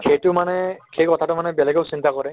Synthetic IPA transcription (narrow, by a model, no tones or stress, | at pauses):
xejtʊmanɛxejkɔtʰatʊmanɛbɛlɛɡeʊsintakɔɹɛ